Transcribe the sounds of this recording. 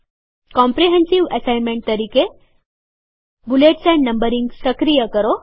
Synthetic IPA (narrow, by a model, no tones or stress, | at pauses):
kɔ̃mpɾiɦẽnsiʋəsajnmẽɳʈ̚t̪əɾiːke | buleʈsɛ̃ɳɖnəmbəɾĩŋɡsəkɾijəkəɾo